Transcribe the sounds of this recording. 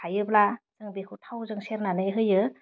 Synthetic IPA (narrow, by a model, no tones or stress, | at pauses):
ajɯblazɯŋbekʰɯwtʰawzɯŋseɾnanɯjɦɯjɯ